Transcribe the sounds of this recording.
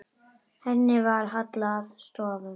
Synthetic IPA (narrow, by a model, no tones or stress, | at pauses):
hɛnːɪvaɾɦat̪laðst̪oːvən